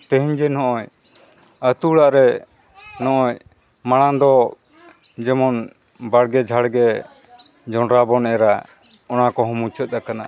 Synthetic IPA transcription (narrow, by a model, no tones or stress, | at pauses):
t̪ə̃ɦiɲd͡ʒɛnɔʔɔj | ət̪uɽaʔɾɛ | nɔʔɔɲ | maɽ̃and̪ɔ | d͡ʒɛmɔn | baɽɡɛd͡ʒʱaɽɡɛ | d͡ʒɔɳɾabɔnɛɾa | ɔnakɔɦɔ̃mut͡ʃət̪̚ˀakana̰